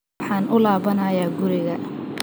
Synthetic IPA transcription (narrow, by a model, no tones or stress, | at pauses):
ħɑːnʔʊlaːβɐnɐːjaːɡʊɾɪɣɐ